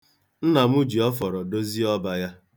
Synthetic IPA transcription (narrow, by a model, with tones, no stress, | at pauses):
n̩˦na˨mu˦d͡ʒi˨ɔ˦fɔ˨ɾɔ˨do˦zi˦ɔ˦ba˨ja˦